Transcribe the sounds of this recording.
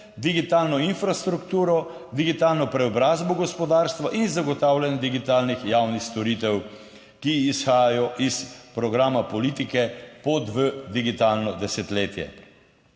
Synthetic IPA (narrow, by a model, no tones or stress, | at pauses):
d̪iɡit̪aːlnɔinfɾast̪ɾukt̪uːɾɔ | d̪iɡit̪aːlnɔpɾɛɔbɾaːzbɔɡɔspɔd̪aːɾst̪ʋaʔinzːaɡɔt̪aːwlʲanjɛd̪iɡit̪aːlnixjawnixst̪ɔɾit̪ɛw | kiːsxaːjajɔʔispɾɔɡɾaːmapɔliːt̪ikɛpɔt̪ʋəd̪iɡit̪aːlnɔd̪ɛsɛt̪leːt̪jɛ̰